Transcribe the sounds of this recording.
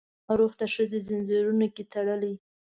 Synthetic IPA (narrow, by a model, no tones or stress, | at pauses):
aɾoxt̪aʃəzezɪnzeɾunoket̪aɽəli